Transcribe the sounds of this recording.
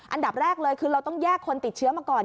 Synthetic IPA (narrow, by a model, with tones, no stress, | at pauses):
ʔa˧nda˨˩p̚ɾɛː˥˩k̚lɤː˧jkʰɯː˧ɾa˧wt̪ɔ˥˩ŋjaː˥˩kʰːo˧nt̪i˨˩t̪̚t͡ɕʰɯ˦˥maː˧kɔː˨˩n